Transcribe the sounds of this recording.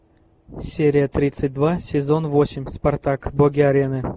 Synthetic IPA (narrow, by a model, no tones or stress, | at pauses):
sʲeɾʲɪjət̪rʲit̪sɨt̚ʲd̪vasʲezonvosʲɪmʲspart̪akboɡʲiaɾʲenɨ